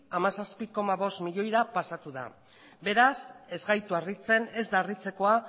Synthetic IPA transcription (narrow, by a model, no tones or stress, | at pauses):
amasaspiko̞maβ̞o̞st̪miʎo̞jɾapasat̪uða̰ | be̞ɾase̞zɣajt̪uarit͡se̞ne̞zd̪arit͡se̞ko̞a